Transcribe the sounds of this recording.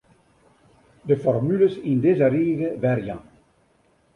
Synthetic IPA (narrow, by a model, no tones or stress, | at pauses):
dəfɔrmyləsindɪzəɾiːɣəvɛrjɑ̰̃